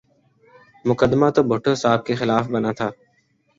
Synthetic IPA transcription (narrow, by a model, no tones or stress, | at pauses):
mʊkəd̪maːt̪obʱʊʈʰoːsaːb̚kexɪlaːfbənaːt̪ʰaː